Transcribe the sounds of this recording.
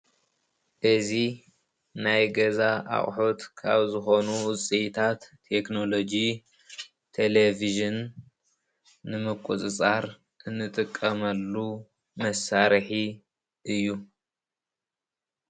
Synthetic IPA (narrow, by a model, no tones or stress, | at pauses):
ʔɨzi | najɡɐzaʔa̰χʼħot̪kʰa̰βzɨxo̞nuwt͡sʼit̪ʰat̪ʰːe̞kno̞lo̞d͡ʒi | t̪ʰeleviʒɨn | ɨmɨkʷʼːut͡sʼɨt͡sʼaɾ | ʔɨnːɨt̪ʼɨkʼːɐmɐlːu | mɐsaɾħi | ʔɨjːu